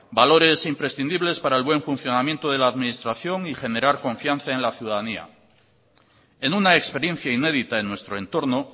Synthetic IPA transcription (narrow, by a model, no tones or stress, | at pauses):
balo̞ɾe̞simpɾe̞sθind̪iβle̞spaɾae̞lβwe̞ɱfun̟θjo̞namje̞nt̪oð̞e̞laːðminist̪ɾaθjo̞ŋixe̞ne̞ɾaɾko̞ɱfjanθaenlaθjuðaðania̰ | e̞nunaekspe̞ɾje̞n̟θjaine̞ðit̪ae̞nːwe̞st̪ɾoe̞nt̪o̞ɾno̞